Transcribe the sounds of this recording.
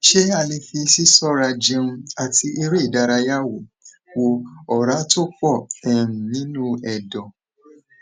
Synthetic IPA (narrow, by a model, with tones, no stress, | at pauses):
ʃe˦a˧le˧fi˧si˦sɔ˦˨ɾa˧d͡ʒe˧ũ˧a˧ti˧ʔi˧ɾe˦˨da˧ɾa˧ja˦wo˨ | wo˧ɔ˨ɾa˨˦to˦k͡pɔ˦˨ɛ˨ɾ̩̃˨nĩ˨˦nũ˦ɛ˨dɔ̃˨